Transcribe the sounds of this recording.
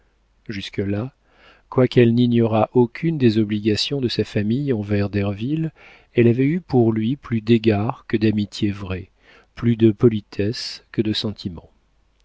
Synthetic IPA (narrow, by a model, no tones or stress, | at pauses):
ʒyskəla | kwakɛlninjɔʁaʔokʲʰynd̪ezɔbliɡasjɔ̃d̪əsafamijɑ̃vɛʁd̪ɛʁvil | ɛlavɛypuʁlɥiplyd̪eɡaʁkəd̪amit̪ʰjevʁɛ | plyd̪əpɔlit̪ʰɛskəd̪əsɑ̃t̪ʰimɑ̰̃